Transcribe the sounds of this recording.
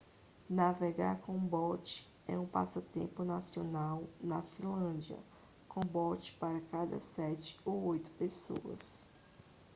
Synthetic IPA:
naveɡaɾkõbɔt͡ʃɪ̥ | ɛũpa̰sɐt̪ẽpʊnasionawnɐfĩlɐ̃d͡ʒiɐ̰ | kõbɔt͡ʃɪ̥paɾɐkad̪ɐ̰sɛt͡ʃɪ̥oojt̪ʊ̥peso̰ɐ̰s

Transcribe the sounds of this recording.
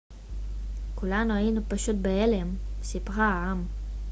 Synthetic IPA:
kulanuajinupaʃut̪̚beelemsipʁaaam

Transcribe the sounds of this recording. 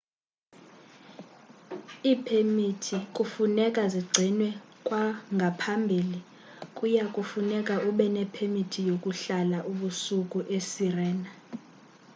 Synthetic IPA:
iːpʰemitʰikʼufunɛkʼaziɡ͡ǀʱinwɛkʼwaŋɡʱapʰambʱiːli | kʼujakʼufunɛkʼaʔuɓɛnɛpʰemitʰijokʼuɬalaʔuɓusukʼuʔesirɛːna

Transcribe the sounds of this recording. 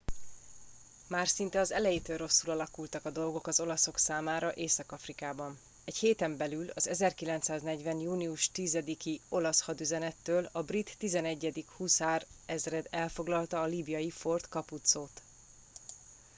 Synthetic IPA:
maːrsint̪ɛɒzɛlɛjit̪øːrro̞sːulɒlɒkult̪ɒkɒd̪o̞lɡo̞kɒzo̞lɒso̞ksaːmaːɾɒʔeːsɒkɒfrikaːbɒn | ɛcheːt̪ɛmbɛlylɒzɛzɛrkilɛnt̪saːznɛɟvɛnjuːniuʃt̪izɛd̪ikio̞lɒshɒd̪yzɛnɛt̪ːøːlɒbrit̪ːizɛnɛɟːɛd̪ikhuːsaːrɛzrɛd̪ɛlfoɡlɒlt̪ɒːliːbijɒjifo̞rt̪kɒput̪soːt̪

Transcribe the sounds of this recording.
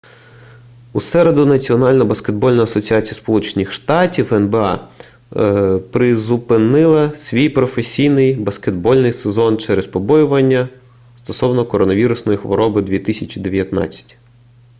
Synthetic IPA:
usɛɾe̞d̪ʊnɐt͡sʲiɔnɑlʲnɐbɐsked̪̚bɔlʲnɔɐsɔt͡sʲiɑt͡sʲijɐspɔlˠut͡ʃenʲixʃt̪ɑtʲiwɛnbeɑ̰ | pɾɪzʊpɪnɪlˠɐsʲʋʲijpɾɔfesʲijnɪjbɐsked̪̚bɔlʲnɪjsezɔnt͡ʃɛɾespɔbɔjʊʋɐnʲːɐ | st̪ɔsɔwnɔkɔɾɔnɐʋʲiɾʊsnɔjixʋɔ̰ɾɔbɪd̪ʋʲit̪ɪsʲɐt͡ʃid̪e̞ʋʲjɐt̪nɑ̰t͡sʲɐ̥tʲ

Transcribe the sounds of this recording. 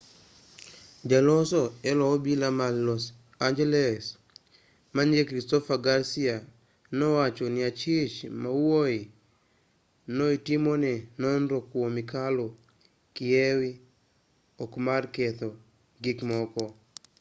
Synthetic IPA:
d͡ʒalɔsɔɛlɔɔbilamalɔs | and͡ʒɛlɛs | manɡekɾistɔfaɡaɾsia | nɔwat͡ʃɔnɪat͡ʃɪt͡ʃmawoi | noitimonɛnɔnɾokwomikalo | kɪɛwi | ɔkmarkɛt̪ɔ | ɡɪkmɔkɔ

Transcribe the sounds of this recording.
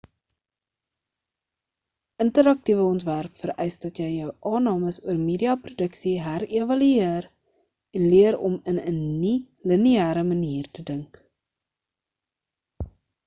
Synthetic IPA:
əntəɾɐk̚tivəɔntværpfəɾɛjsdɐtjɛjœwʔɑːnɑːməsuərmeːdiɑprodəksiɦærevɐlyeər | ɛnliəɾɔ̰mənənni | liniæːɾəməniːrtədəŋk

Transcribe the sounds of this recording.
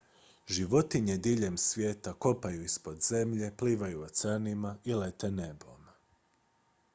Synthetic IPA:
ʒiʋo̞t̪iɲed̪iʎe̞msʋje̞ːt̪ako̞pajuispo̞d̪ze̞mʎe̞pliːʋajuot̪sanimailet̪ene̞bo̞̰m

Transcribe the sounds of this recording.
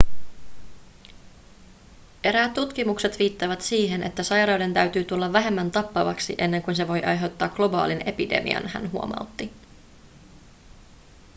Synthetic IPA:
e̞ɾæːt̪ːut̪kimukset̪ʋiːt̪ːɑjʋæt̪siːɦe̞nʔe̞̰t̪ːæsɑjɾɑwde̞nt̪æɥt̪yːt̪ulːɑʋːæɦe̞mːænt̪ɑpːɑʋɑksḭʔe̞nːe̞ŋkunse̞ʋo̞jʔɑjɦe̞wt̪ːɑːkɡ̥lo̞bɑ̰ːline̞pide̞̰mḭɑ̰nhæ̰nɦuo̞mɑ̰ut̪ːi

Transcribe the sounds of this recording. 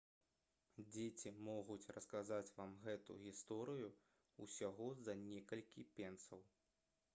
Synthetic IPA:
d͡zʲet͡sʲimɔɣut͡sʲrɐskazat͡sʲvamɣɛt̪ṵɣʲist̪ɔɾɨju | usʲaɣɔzɐnʲɛkɐlʲkʲipʲɛnsɐw

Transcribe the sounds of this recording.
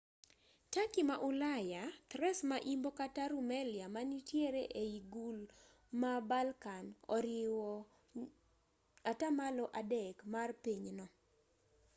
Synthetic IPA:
takimaʔʊlajat̪ɾɛsmaʔimbokataɾumɛljamanitjeɾeʔeiɡul | mabalkanɔ̰ɾɪwɔ | atamalɔʔadɛkmarpiɲnɔ

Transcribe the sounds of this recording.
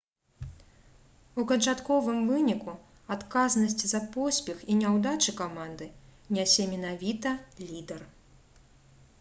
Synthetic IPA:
ukɐt͡ʂat̪kɔvɨmvɨnʲiku | at̪kaznɐsʲt͡sʲzɐpɔsʲpʲɛxinʲawd̪at͡ʂɨkamand̪ɨnʲasʲɛmʲɛnavʲit̪ɐlʲid̪ɛr

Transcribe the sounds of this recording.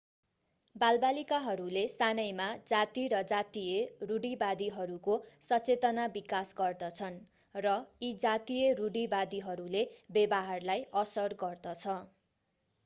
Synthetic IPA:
balbalikaɦʌɾulesanʌjmad͡zat̪iɾʌd͡zat̪ijeruɽibad̪iɦʌɾukosʌt͡set̪ʌnabikasɡʌrd̪ʌt͡sʰʌn | rʌid͡zat̪ijʌruɽibad̪iɦʌɾulebebaɦarlajʌsʌrɡʌrd̪ʌt͡sʰʌ

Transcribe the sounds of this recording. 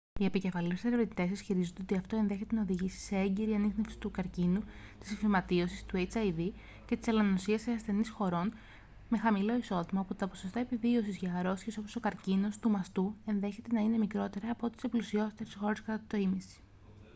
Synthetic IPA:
ie̞pice̞fɐliseɾevɾt̪it̪e̞sisçiɾizond̪eo̞t̪iɐft̪o̞e̞nðe̞çe̞t̪e̞nɐo̞ðiʝisi̥se̞eɲɟeɾiɐnixnefsi̥t̪ukɐɾcinu | t̪i̥sfimɐt̪io̞sist̪uet͡sɐjvi | ce̞t̪i̥selɐnosiɐseɐsθe̞nisxo̞ɾo̞n | me̞xɐmilo̞iso̞ðimɐoput̪ɐpo̞so̞st̪ɐepivio̞sizʝɐɾo̞sçeso̞poso̞kɐɾcino̞st̪umɐst̪ue̞nðe̞çe̞t̪e̞nɐine̞mikɾo̞t̪e̞ɾɐːpoot̪i̥seplusio̞st̪eɾesxo̞ɾe̞skɐt̪ɐat̪o̞imisi̥

